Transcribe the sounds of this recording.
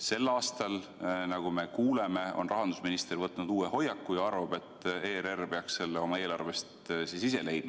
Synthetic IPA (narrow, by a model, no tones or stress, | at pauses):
se̞lːɑːst̪ɑl | nɑɡ̥ume̞kuːleme̞o̞̰nrɑɦɑnd̪̥usminist̪ervɤt̪ːˑnud̪uːeho̞jːɑkːujɑɑrvɑb̥e̞t̪ːˑeːrerpeɑksse̞lːeo̞mɑe̞ːlɑrvest̪siːsise̞le̞jd̪̥̚mɑ